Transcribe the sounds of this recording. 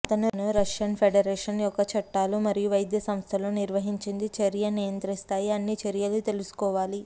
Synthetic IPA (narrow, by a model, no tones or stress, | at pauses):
ɐt̪ɐnunuɾɐʂjɐnpʰeɖɐɾeːʂɐnjɔkːɐt͡ʃʰɐʈːaːlumɐɾijuʋɐjd̪jɐsɐmst̪ʰɐloːniɾʋɐɦiɲt͡ʃind̪it͡ʃeɾjɐnijɐnt̪ɾist̪aːjiɐnːit͡ʃɐɾjɐlut̪e̞lusu̥kɔːʋaːli